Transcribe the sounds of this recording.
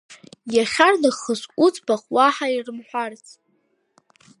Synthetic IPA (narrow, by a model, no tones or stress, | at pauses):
jaχʲarnɨχəʃʷʼut͡sʼbaχwaħairɨmħʷᶣart͡sʰʼ